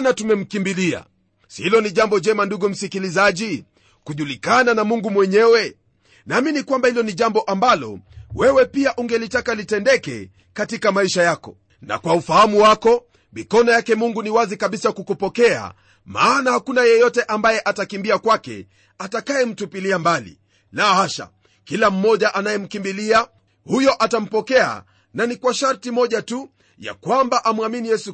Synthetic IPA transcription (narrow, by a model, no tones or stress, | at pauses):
natumɛm̩kimbilia̰ | shilɔniʄambɔʄɛmanduɡum̩sikilizaʄi | kuʄulikananamuŋɡumwɛɲɛwɛ | naminikwambahilɔniʄambɔʔambalɔ̰wɛwɛpiaʔuŋɡɛlitakalitɛndɛkɛ̰ | katikamaiʃajakɔ | na̰kwaufahamuwakɔ | mikɔnɔjakɛmuŋɡuniwazikaɓisakukupɔkɛa̰ | maːnahakunajɛjɔtɛʔambajɛʔatakimbiakwakɛ̰ | atakajɛm̩tupiliambalḭ | lahaʃa̰ | kilam̩mɔʄaʔanajɛm̩kimbilia | hujɔʔatam̩pɔkɛa̰ | nanikwaʃaɾtimɔʄatu | ja̰kwambaʔamwaminijɛsu